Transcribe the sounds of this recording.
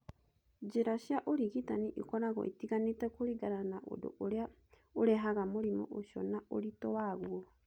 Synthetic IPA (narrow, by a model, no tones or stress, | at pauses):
d͡ʒeɾaʃjaʔoɾiɣitaniʔikɔɾaɣɔ̰ʔitiɣanetɛkoɾiɡaɾanaʔo̰do̰ʔoɾea | oɾɛɦaɣamoɾimɔ̰ʔoʃɔ̰naoɾitɔwaɣwɔ